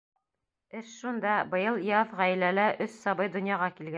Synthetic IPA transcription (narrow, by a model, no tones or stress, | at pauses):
ɘʃʃund̪ɑbɤ̆jɤlˠjɑðʁæj̆lælæʔɵssɑbɤjd̪ŏnjɑʁɑkilɡæ